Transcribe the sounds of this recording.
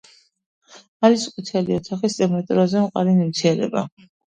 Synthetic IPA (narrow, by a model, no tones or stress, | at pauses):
aɾiskʼut̪ʰɛliɔt̪ʰaχist̪ʼɛmɛt̪ʼɾɔzɛmqʼa̰ɾinimt̪sʰiɛɾɛ̰ba̰